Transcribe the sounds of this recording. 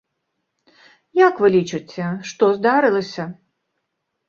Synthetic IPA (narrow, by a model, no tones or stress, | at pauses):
jakvɨlʲit͡ʂɨt͡sʲɛʂt̪ɔzd̪aɾɨlˠɐsʲɐ